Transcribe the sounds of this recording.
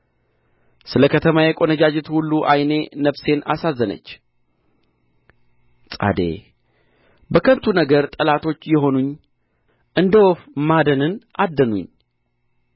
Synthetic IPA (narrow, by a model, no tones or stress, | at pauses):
sɨləkʰət̪ʰəmajɛkʼo̞nəd͡ʒad͡ʒɪt̪hulːuʔajne̞nəβse̞nasazːənə̰t͡ʃː | sʼa̰d̪e̞̰ | bəkʰəβt̪ʰunəɡəɾt̪ʼəlat̪ʰo̞t͡ʃːjɛɦo̞nuɲː | ʔɨnd̪əwofmad̪ənɨnʔad̪ːənṵɲ